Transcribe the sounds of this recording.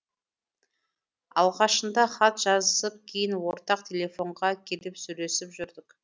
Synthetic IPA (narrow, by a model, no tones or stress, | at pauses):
ɑ̰lˠʁɑʃənd̪ɑχɑt̪ʒ̥ɑzəsəp̚kʲʰejɪnwo̞ɾt̪ɑqt̪ʲʰe̞lʲe̞fo̞ɴʁɑkʲʰe̞lɪpsɵjle̞sɪpʒʏɾd̪ɪk